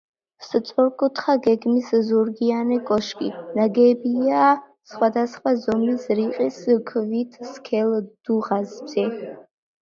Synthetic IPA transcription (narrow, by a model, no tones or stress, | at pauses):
sət͡sʼɔɾkʼut̪ʰχaɡɛɡmiszuɾɡianɛkʼɔʃkʼḭnaɡɛbia | sχwad̪asχwazɔmlisriqʼiskʰvit̪ʰskʰɛld̪̥uʁazbzɛ